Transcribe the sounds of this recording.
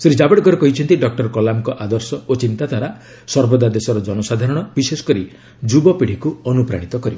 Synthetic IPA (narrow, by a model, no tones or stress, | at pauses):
sɾid͡ʒabeɽɡɔɾekɔɦit͡ʃʰɔnt̪iɖɔk̚ʈɔɾkɔlamkɔʔad̪ɔɾsɔot͡ʃint̪ad̪ʱaɾa | sɔɾbɔd̪ad̪esɔɾɔd͡ʒɔnɔsad̪ʱaɾɔɽ̃ɔbisesɔ̥kɔɾi | d͡ʒubɔpiɽ̤ikuɔnupɾa̰ɽ̃it̪ɔkɔɾib